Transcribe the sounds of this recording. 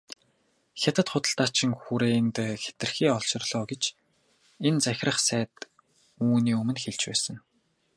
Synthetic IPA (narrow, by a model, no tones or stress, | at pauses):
xʲat̪ə̆t̪χʊt̪ə̆ɬt̪aːt͡ɕʰɪ̆ŋxuɾeːnt̪xe̥t̪ɘ̆rxiːɔɮʃɪ̆rɮɔːɡet͡ɕ | ent͡sæx̆ʲrə̆χsæːt̪ | uːniːɵmɘ̆nxeɮt͡ɕpæ̰ːsə̆ŋ